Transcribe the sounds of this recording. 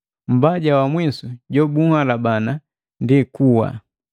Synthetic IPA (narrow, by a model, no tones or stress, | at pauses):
m̩baɟawamwisuɟɔbuhalabana | ndikuwa̰